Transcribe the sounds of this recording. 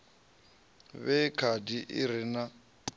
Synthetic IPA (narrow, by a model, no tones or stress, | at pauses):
βɛkʰadiʔɪ̰ɾɪna